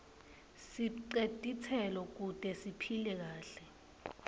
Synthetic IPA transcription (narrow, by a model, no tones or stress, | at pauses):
siǀetʼit͡sʰɛlɔk̬utʼɛsipʰilɛk̬aːɬɛ